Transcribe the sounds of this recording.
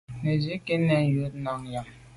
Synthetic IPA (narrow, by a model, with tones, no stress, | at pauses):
ne˨d͡ʒi˨˦ke˦nɛ˨n˨jo˨˦tna˨ŋ˨ja˨ŋ